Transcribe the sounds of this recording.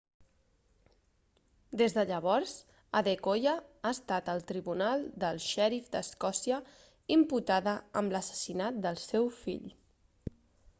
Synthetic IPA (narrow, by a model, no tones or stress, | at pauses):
d̪ezðəʎəβ̞ɔɾz | əðekojəaəst̪at̪əlˠt̪ɾiβunalˠd̪əlˠʃɛɾifd̪əskɔsiə | imput̪aðəəmləsə̥sinat̪̚d̪əlˠsɛwfḭʎ